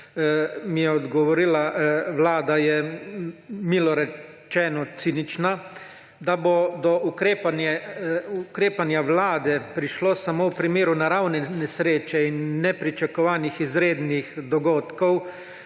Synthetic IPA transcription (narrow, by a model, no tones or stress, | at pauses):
mijɛɔd̪ɡɔʋɔɾilaʋlaːd̪ajɛ | miːlɔɾɛ | t͡ʃɛːnɔt̪siːnit͡ʃna | d̪abod̪ɔukɾeːanɛukɾeːpanjaʋlaːd̪ɛpɾiʃlosamowpɾimeːɾunaɾawnɛnɛsɾeːt͡ʃɛinːɛpɾit͡ʃakɔʋaːnixizɾeːd̪nixd̪ɔɡoːt̪kɔw